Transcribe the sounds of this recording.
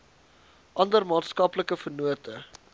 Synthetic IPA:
ʔɐndərmɑːtskɐpləkəfərnuətʰə

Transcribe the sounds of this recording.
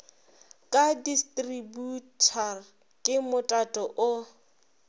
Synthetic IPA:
kʼadistʼributʰar | kʼɪmʊtʼatʼɔʔʊ

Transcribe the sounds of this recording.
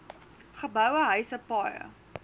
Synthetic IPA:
χəbœwəɦœɥsəpɑjə̰

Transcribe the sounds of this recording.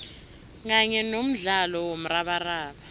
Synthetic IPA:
k̬aɲɛnom̩ɮalɔwom̩raɓaraːɓa

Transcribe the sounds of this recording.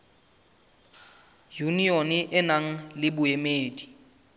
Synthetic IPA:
junionɪʔɪnaŋ̩lɪbʊemeːdi̥

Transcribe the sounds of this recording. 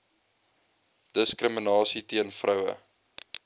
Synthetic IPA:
d̥əskrəmənɑːsitiənfrʔœwə̰

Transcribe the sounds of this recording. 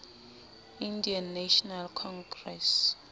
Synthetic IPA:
indianːaʃɔnalkʰɔŋɡrɛs

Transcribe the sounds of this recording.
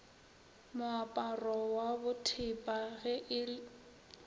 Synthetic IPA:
mʊapʼarɔwabʊtʰɪpʼaɣɛʔɪ

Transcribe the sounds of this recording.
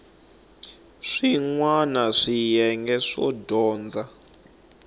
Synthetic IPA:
ʂiŋwanaʂijɛŋɡɛʂɔ̰dɔːnd͡za

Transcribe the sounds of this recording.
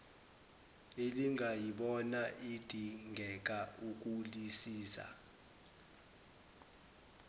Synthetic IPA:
eliŋʱajiɓɔnaʔid̥ʱiŋɡʱɛk̬ʼauk̬ʼulisiːsa̰

